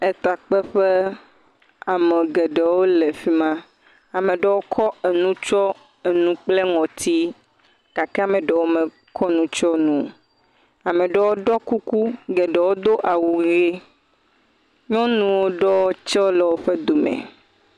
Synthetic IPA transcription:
ɛ˦t̪a˨k͡pɛ˦ɸe˦ | a˨mẽ˨ɡɛ˨ɖɛ˨wo˦le˨fi˦mã˦ | a˨mẽ˨ɖɛ˦wo˦kʰɔ˦e˨nũ˦t͡ʃɔ˦ | e˨nũ˨k͡ple˦ŋɔ̃˨t̪ʰi˦ | ka˨ke˦a˦˨mẽ˨ɖɛ˨wo˦me˨ | kʰɔ˦nũ˦t͡ʃɔ˦nũ˨ | a˨mẽ˨ɖɛ˦wo˦ɖɔ˦ku˦ku˦ɡe˨ɖɛ˨wo˦d̪o˦ʔa˨wu˨˦e˦ | ɲɔ̃˦nũ˨wo˦ɖɔ˦wo˦t͡ʃɛ˦wo˦lɛ˨wo˦ɸe˦d̪o˨mɛ̰˨

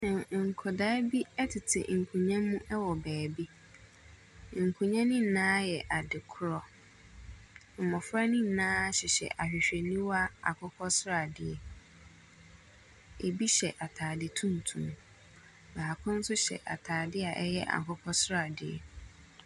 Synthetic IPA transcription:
nã˨ŋ̩˨kʰɔ˨daː˦bi˦ɛ˦tʰɪ˨tʰɪ̰˨ŋ̩˨kʰũ˨ɲã˦mũ˦ʔɛ˦wɔ˨bɛː˨bi˦ | ŋ̩˨kʰũ˨ɲã˦nĩ˦n̩˨nãː˦jɛ˨ʔa˨dɪ˨kʰʊ˦ɾɔ˦ | m̩˨mɔ̃˨fɾa˦nĩ˦n̩˨nãː˦ɕɪ˨ɕɛ̰˨ʔa˨ɕᶣɪ˨ɕᶣe˨nĩ˦wa˦a̰˨kʰɔ˦kʰɔ˦sɾa˨dɪ˦ɛ˨ | e˨bi˦ɕɛ˨ʔa˨tʰaː˨dɪ˦tʰũ˦n˨tʰũ˨m | ba˨ha˨kʰʊ̃˦n̩˦sʊ˦ɕɛ̰˨ʔa̰˨tʰaː˨dɪ˦a˨ʔɛ˦jɛ˦ʔa̰˨kʰɔ˦kʰɔ˦sɾa˨dɪ˨ɛ̰˨

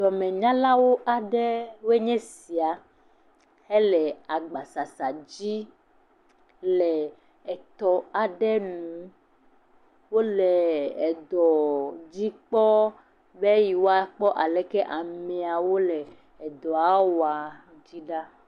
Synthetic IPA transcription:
dɔ˨mɛ̃˨ɲã˦la˦wo˦ʔa˨ɖɛ˦we˦ɲɛ̃˦si˨a˨ | he˦lɛ˨a˨ɡ͡ba˨sa˨sa˨d͡ʑi˦ | lɛ˨ | ɛ˨t̪ɔ˨a˨ɖɛ˦nũ˨˦ | wo˦lɛ˨ɛ˨d̪ɔ˨d͡ʑi˦k͡pɔ˦ | be˦ji˨wo˦a˦k͡pɔ˦ʔa˨lɛ˨kɛ˦ʔa˨mɛ̃˨a˨wo˦lɛ˨ | ɛ˨d̪ɔ˨a˦wa˨ | d͡ʑi˦ɖa˦

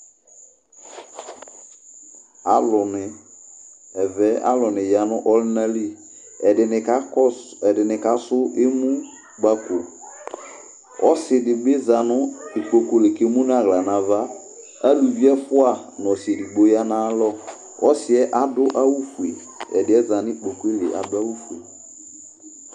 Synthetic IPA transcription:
a˦lʊ˨nɪ˨ | ɛ˨vɛ˦a̰˦lɔ˨nɪ̃˨ja˨nʊ̃˦ʔɔ˦lɪ˦nã˦li˦˨ | ɛ˨dɪ˨nɪ˨ka˦ɛ˨dɪ˨nɪ˨ka˦sʊ˦ʔe˦mũ˦ | ɡ͡ba˦ko˨ | ɔ̰˦sɪ˨dɪ˨ɡ͡be˦za˨nʊ˦ɪ˨k͡po˨ko˨lɪ˨ke˦mũ˦n˦a˦˨ɣla˨nã˨va˦ | a˦lu˨vi˦ɛ˦fʊ˦a˦˨n˨ɔ˨si˨ɛ˨di˨ɡ͡bo˦ja˦nã˦lɔ˦ | ɔ˦sɪ˨ɛ˦ʔa˦dʊ˦ʔa˦wu˦fu˨e˨ | ɛ̰˨dɪ˨˦ɛ˦za˨nɪ˦i˦˨k͡po˨ko˦e˦lɪ˨ʔa̰˨dʊ˦a˦wu˦fu˨e˨

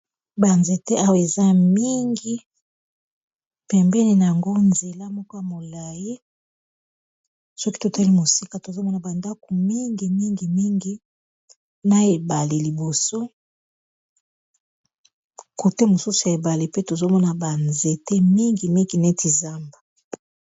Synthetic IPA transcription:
ba˨nze˨te˦ʔa˦we˨za˦mi˦ŋɡi˦ | pɛ˨mbɛ˦ne˨na˨ja˨ŋɡo˦nze˨la˦mɔ˦ko˦ja˨mo˨la˨je˦ | sɔ˦ki˦to˨ta˦li˦mo˨si˦ka˨to˨zo˦mɔ˦na˨ba˨nda˦ko˨mi˦ŋɡi˨mi˦ŋɡi˨mi˦ŋɡi˦ | na˦e˨ba˨le˨li˨bo˨so˦ | ko˨te˦mo˨su˦su˨e˨ba˨le˨pe˦to˨zo˦mɔ˦na˨ba˨nze˨te˦mi˦ŋɡi˨mi˦ŋɡi˨nɛ˦ti˨za˦mba˨

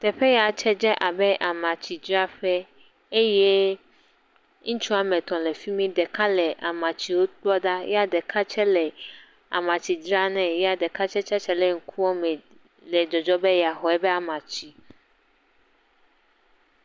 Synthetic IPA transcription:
t̪ɛ˨ɸɛ˦ja˨t͡ʃɛ˦d͡ʒɛ˦ʔa˨bɛ˦ʔa˨mã˨t͡ɕi˨d͡ʒɾa˦ɸɛ˦ | e˦jɛ˦ | ŋ̩̃˦t͡ʃu˦a˨mɛ̃˨t̪ɔ̃˨le˨fi˦mĩ˦d̪ɛ˨ka˦lɛ˨ʔa˨mã˨t͡ɕi˨wo˦k͡plɔ˦ɖa˦jɛ˦a˦dɛ˨kʰa˦t͡ʃɛ˦lɛ˨ | a̰˨mã˨t͡ɕi˨d͡ʒɾa˦nɛ̃˨jɛ˦a˨dɛ˨ka˦t͡ʃɛ˦t͡ʃɛ˦t͡ʃɛ˦lɛ˨ŋ̩˦kʰu˦wɔ˦mɛ̃˨ | lɛ˨d͡ʒɔ˨d͡ʒɔ˦bɛ˦ja˨xɔ˨ɛ˦bɛ˦a˨mã˨t͡ɕi˦

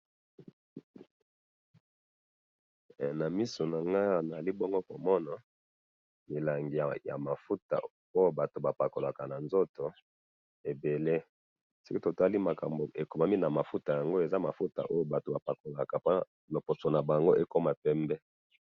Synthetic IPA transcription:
na˨mi˦so˨na˨ŋɡa˦a˨na˨li˦bo˦ŋɡo˦ko˨mɔ˦na˨ | mi˨la˨ŋɡi˨ja˨ja̰˨ma˨fu˦ta̰˨ | o˦jo˨ba˨to˨ba˨pa˨ko˨la˨ka˨na˨nzo˦to˨ | e˨be˨le˦ | si˦ki˦to˨ta˦li˦ma˨ka˨mbo˨e˨ko˨ma˦mi˦na˨ma˨fu˦ta˨ja˨ŋɡo˦e˨za˦ma˨fu˦ta̰˨ʔo˦jo˦˨ba˨to˨ba˨pa˨ko˨la˨ka˨pa˦ | lo˨po˨so˨na˨ba˨ŋɡo˦ʔe˦ko˦ma˨pɛ˦mbɛ˦

